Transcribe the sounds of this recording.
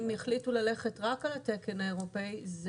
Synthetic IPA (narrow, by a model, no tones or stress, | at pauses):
meχlitulale̞χetʁakalatekenaeʁopejz